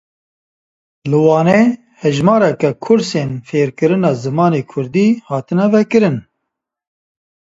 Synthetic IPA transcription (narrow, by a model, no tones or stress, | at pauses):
lɨwɑːnɛ | hɛʒmɑːɾɛkɛkʰʊɾseːnfeːɾkɨɾɨnɑːzɨmɑːneːkʰʊɾd̪iːhɑːt̪ɨnɛvɛkɨɾɨn